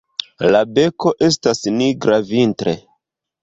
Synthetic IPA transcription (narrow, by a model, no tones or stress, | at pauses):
labe̞ko̞ʔe̞s̬tasniɡɾavintɾe